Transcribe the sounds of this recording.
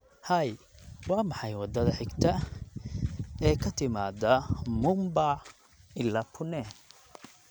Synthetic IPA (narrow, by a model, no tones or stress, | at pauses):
hɐjwɑːmɑħɑjwɑd̪ɐðɐħɪɡt̪ʰɐ | ɛːkʰɐt̪ʰɪmaːd̪ɐmʊmba | ɪlːaːpʰʊnɛn